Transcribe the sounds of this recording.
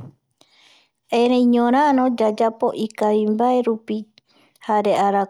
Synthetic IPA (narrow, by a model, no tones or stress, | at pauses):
eɾẽjɲõɾ̃ãnõd͡ʒad͡ʒapo̞ʔikaβimbaeɾupi | haɾeʔaɾa